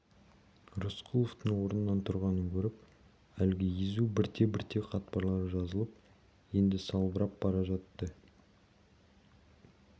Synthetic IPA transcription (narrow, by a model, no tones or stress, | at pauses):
rusqʰulˠoft̪əɴwo̞ɾənənːɑnt̪ʰʊɾʁɑnəŋkʲʰɵɾɪp̚ | ælɡʲɪjezubɪɾt̪e̞bɪɾt̪e̞qʰɑt̪̚pɑɾlˠɑɾəʒɑzəlˠəp̚ | je̞nd̪ɪsɑlˠbəɾɑp̚bɑɾɑʒɑt̪ːə